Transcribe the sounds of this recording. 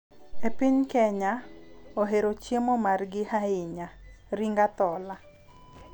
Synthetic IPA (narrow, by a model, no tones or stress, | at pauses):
epɪɲkɛɲaoɦeɾot͡ʃjemomarɡɪhaɪɲaɾiŋɡat̪ɔla